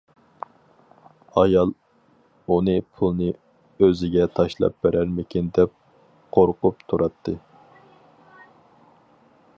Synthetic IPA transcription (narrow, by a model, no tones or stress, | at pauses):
ɑjɑlˠ | unɨpʰulˠnɨ | øzɪɡʲɛt̪ʰɑʃlˠɑ̰p̚b̥eɾæɾmɪkʲʰind̪ɛp̚ | qʰoɾqʊp̚t̪ʰuɾɑt̪ʰːɨ